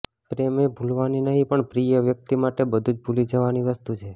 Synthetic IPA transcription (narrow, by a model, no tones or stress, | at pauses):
pɾemebʱulʋaninəɦĩpəɳpɾijəʋjək̚t̪imaʈebəd̪ʱud͡ʒbʱulid͡ʒəʋaniʋəst̪ut͡ʃʰe